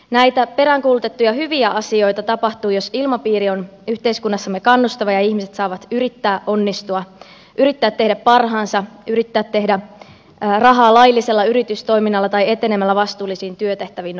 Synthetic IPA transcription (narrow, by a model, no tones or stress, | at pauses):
næjt̪æpe̞ɾæŋkuːlut̪e̞t̪ːujɑɦyʋiæʔɑsio̞jt̪ɑt̪ɑpɑht̪uːjosilmɑpiːɾionyht̪e̞iskunːɑsːɑmːekɑnːust̪ɑʋɑjɑiçmiset̪sɑːʋɑt̪yɾit̪ːæːʔonːist̪uɑ | ʔyɾit̪ːæːt̪ːe̞hdæppɑrɦɑːnsɑʔyɾit̪ːæːt̪ːe̞ɦdæ | rɑɦɑːlɑjlːiselːɑyɾit̪yst̪o̞jminːɑlːɑt̪ɑje̞t̪e̞nemælːæʋɑst̪uːlːˑisiːnt̪yøt̪e̞ht̪æʋin